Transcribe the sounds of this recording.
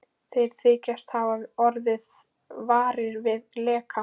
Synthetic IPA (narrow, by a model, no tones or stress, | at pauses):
θejɾ̥θʰɪːcast̪havaðɔɾðɪð | vaːɾɪɾvɪðlɛːka